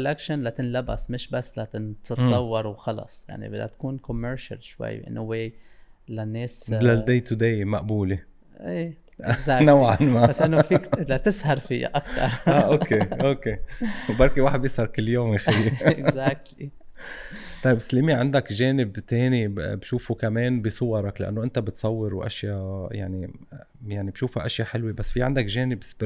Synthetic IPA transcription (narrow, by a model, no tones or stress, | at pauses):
lʔakʃanlat̪ɪnlaba̰smɪʃbasːlat̪ɪt̪ɪt̪sˤɑwːɑɾˤwxɑlɑ̰sˤja̰ʕnḭbɪd̪a̰t̪ḁkuːnkomːeɾʃa̰lʃwa̰jːʔɪ̰nːoweːlanːeːslald̪ejt̪ud̪ejmaʔbuːle | ʔeː | ɡzaːnawʕanmabasːʔɪnːofiːklat̪ɪshɑɾˤfɪjːa̰ʔakt̪ɑ̰ɾˤaʔokeʔoːkeːbɑɾˤkiwaːħɪd̪̚bjɪshɑɾˤkɪlːjoːmjaxaɪzaːk̚t̪i | t̪ˤɑjbslɪmiʕand̪akʒeːnɪbt̪eːnibʃuːfukameːnbisˤʊwɑɾˤɑklaʔa̰nːoʔɪnt̪abɪt̪sˤɑwːɪɾwʔa̰ʃjaja̰ʕni | jaʕnibʃuːfaʔaʃjaħɪlwebasːfiʕa̰nd̪akʒeːnɪbb